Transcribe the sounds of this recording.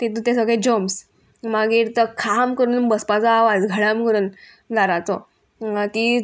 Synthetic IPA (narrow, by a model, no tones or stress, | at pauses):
t̪it̪ũt̪ẽsəɡɭed͡ʑəms | maɡiːɾt̪əkʰamkəɾuːnbəspat͡saːʋad͡zɡʱəɭamkəɾuːn | d͡zaɾat͡sɔ | t̪i